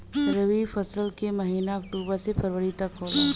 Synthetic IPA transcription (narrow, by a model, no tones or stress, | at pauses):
ɾəʋifɐsəlkemɐɦiːnakʈuːbasepʰɐɾwəɾit̪ɐkɦoːla